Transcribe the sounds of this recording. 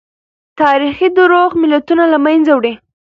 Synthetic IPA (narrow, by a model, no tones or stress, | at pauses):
t̪ɑɾixid̪əɾoɣmɪlat̪unalamajnzawɽi